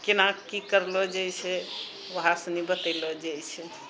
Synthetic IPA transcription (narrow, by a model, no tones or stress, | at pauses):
kenakikəɾlɔd͡ʒajt͡ʃʰɛ | ʋəɦasə̃nibət̪əlɔd͡ʒajt͡ʃʰɛ